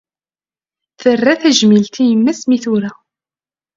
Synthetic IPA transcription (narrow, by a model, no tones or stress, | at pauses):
θərːæθæʒmilt̪ijəmːæsmiθuɾæ